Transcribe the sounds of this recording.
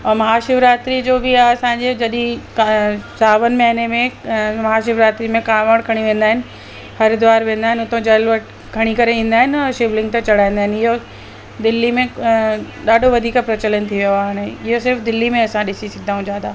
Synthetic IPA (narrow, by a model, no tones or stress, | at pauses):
ɔːɾmɐɦaːʃɪʋɾaːt̪ɾid͡ʑoːbʱiaɐsãːɲd͡ʑed͡ʑɐɗĩksaːʋənmɐɦɪnemẽmɐɦaːʃ̬ɪʋɾaːt̪ɾimẽkaːʋəɽ̃kʰɐɽ̃iʋẽːnd̪aːɦɪnɪ̆ | hɐɾd̪ʊʋaːɾʋẽːn̆d̪aːɦɪnɪʊt̪õd͡ʑɐlʋɐʈ | kʰɐɽ̃ikɐɾeĩːnd̪aːɦɪnɔːʃɪʋlɪ̃ŋɡ̚t̪ɐ̃t͡ɕɐɽ̤aːĩnd̪aːɦɪnɪɦo | d̪ɪlːimẽ | ɗaːɖʱoʋɐd̪ʱiːkapɾɐt͡ɕələnt̪ʰiʋjoaaːɽ̃eɪɦosɪɾfd̪ɪlːimẽɐsãɗɪsisɐɡʱɪd̪aːɦũd͡ʑaːd̪aː